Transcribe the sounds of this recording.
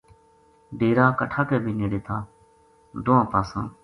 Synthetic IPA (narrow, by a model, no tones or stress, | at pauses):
ɖeːɾaːkəʈʰaːkeːbʱiːneːɽeːt̪ʰaː | d̪ʊːãːpaːsãː